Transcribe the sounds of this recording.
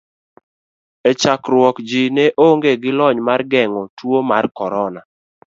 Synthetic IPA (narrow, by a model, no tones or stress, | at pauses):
et͡ʃakɾwɔkd͡ʒɪnɛʔoŋɡeɡɪlɔɲmarɡɛŋɔtwomarkɔɾɔna